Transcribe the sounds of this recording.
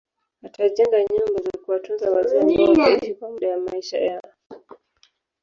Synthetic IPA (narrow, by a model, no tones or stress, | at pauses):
atʰaʄɛŋɡaɲɔmbazakuwatunzawazaniwaaaiʃikwamuɗajamaiʃa̰jaɔ